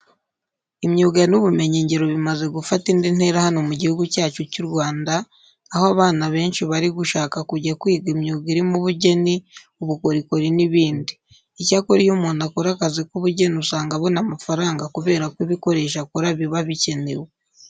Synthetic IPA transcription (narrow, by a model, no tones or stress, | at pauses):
imɲuːɡanuβume̞ɲe̞ɲɟe̞ɾo̞βimaze̞ɡufatindin̥e̞ːɾahano̞muɟihuɡucaːt͡ʃocuɾɡwaːndaː | hoaβaːnaβe̞ːnʃiβaɾiɡuʃaːkakuɟakwiːɡimɲuːɡiɾimuβuɟe̞ni | uβuko̞ɾiko̞ɾiniβiːndiː | caːkoɾijumuːnakoɾakazekuβuɟe̞niusaːŋɡaβo̞namafaɾaːŋɡakuβe̞ːɾakwiβiko̞ɾe̞ːʃakuɾaβiβaβice̞ne̞we